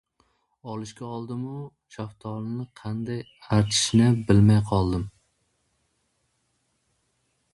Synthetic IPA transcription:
ɒlˠɪʃkʲaɒlˠd̪ɪmʊ | ʃʰaft̪ʰɒlnɪqʰɑnd̪aj | aɾt̪ʰɪ̥ʃnɪbɪlmajqʰɒlˠd̪ɪm

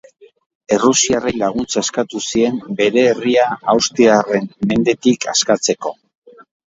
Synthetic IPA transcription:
e̞rusiarelaɣ̞unt͡saeskat̪usie̞mbe̞ɾe̞ːriaawst̪iare̞nme̞nd̪e̞t̪ikʰaskat͡se̞ko̞

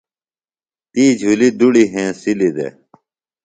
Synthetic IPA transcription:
t̪iːd͡ʑʱulid̪uɽiɦẽːsilid̪ḛː

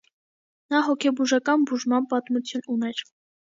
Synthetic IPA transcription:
nɑɦɔkʰɛbuʒɑkɑnbuʒmɑnpɑt̪mut͡sʰjununɛɾ

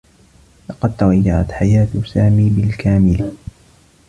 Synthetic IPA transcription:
lɑqɑd̪̚t̪awajːaʕa̰t̪ħajaːt̪saːmiːbɪlkaːmɪlɪ

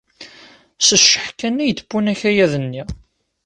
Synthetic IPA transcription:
səʃːə̥ħkːænːæjt̪ːə̥pːunæçæjæðənːi

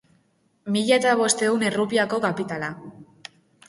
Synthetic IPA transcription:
miʎat̪aβ̞o̞st̪e̞une̞rupiako̞kapit̪ala

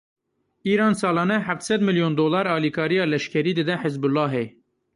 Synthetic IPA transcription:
iːɾɑːnsɑːlɑːnɛħæft̪sɛd̪mɪljoːnd̪oːlɑːɾɑːliːkʰɑːɾijɑːlɛʃkʰɛɾiːd̪ɨd̪ɛħɪzbʊlːɑːɦeː

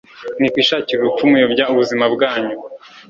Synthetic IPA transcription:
nikwiːʃaːciɾukumujobɟauβuzimabɡaːɲu

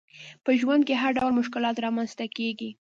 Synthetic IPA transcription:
pəʒwand̪̚keɦaɾɖawlmʊʃkɪlɑt̪ɾɑmanz̥t̪akeɡi

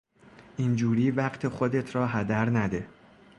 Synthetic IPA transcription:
ʔind͡ʒuːɾiːvæɢt̪ʰe̞χod̪e̞t̪ʰɾɒːɦæd̪æɾnæd̪e̞

